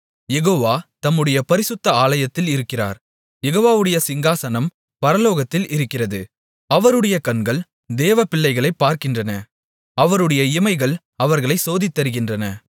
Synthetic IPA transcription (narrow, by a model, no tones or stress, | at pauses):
jɛɣoːʋaːt̪ɐmːɯɽɐjɐpɐɾɪsɯt̪ːɐaːlɐjɐt̪ːɪlɪɾɯkːɪra̰ːɾ | jɛɣoːʋaːʋɯɽɐjɐsɪŋɡaːsɐnɐm | pɐɾɐloːɣɐt̪ːɪlʔɪɾɯkːɪrɐðɯ | ɐʋɐɾɯɽɐjɐkɐɳɡɐɭ | d̪eːʋɐpɪɭːɐɪɣɐɭɐɪpːaːɾkɪndrɐnɐ | ɐʋɐɾɯɽɐjɐɪmɐɪɣɐɭ | ɐʋɐɾɣɐɭɐɪsoːðɪt̪ːɐɾɯɣɪndrɐnɐ